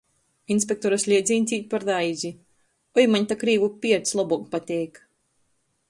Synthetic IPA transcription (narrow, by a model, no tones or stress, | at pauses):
insʲpʲek̚t̪ɔɾasʲlʲiɛd̪zʲiːnʲt̪ʲiːt̪̚ʲpaɾd̪ajzʲi | ɔjmaɲt̪akɾiːvupʲiɛɾt̪slˠɔbukpat̪ʲɛjk